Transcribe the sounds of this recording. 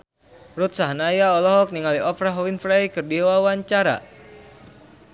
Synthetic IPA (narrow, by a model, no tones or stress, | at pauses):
rut̪̚saɦnajaɔlɔɦɔk̚niŋaliʔɔfɾaɦɔwinfɾajkɨrdiwawaɲt͡ʃaɾa̰